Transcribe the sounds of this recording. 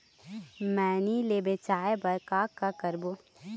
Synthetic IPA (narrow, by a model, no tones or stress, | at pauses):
mɛːnilebet͡ʃaːebəɾkaːkːakəɾbo